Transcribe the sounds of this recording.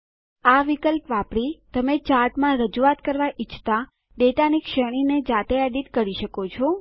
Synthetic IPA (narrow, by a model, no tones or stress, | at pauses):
aʋikəlpʋapɽit̪əmet͡ʃaʈ̪mãɾəd͡ʒuat̪kəɾʋaʔit͡ʃʰt̪a | ɖeʈanikʃəɽ̃ined͡ʒat̪eɛɖiʈ̪kəɾiʃəkot͡ʃʰo